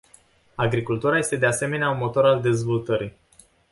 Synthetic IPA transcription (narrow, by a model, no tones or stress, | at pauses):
aɡɾikult̪uɾaje̞st̪e̞d̪ease̞me̞neaunmo̞t̪o̞ɾald̪e̞zvo̞lt̪əɾi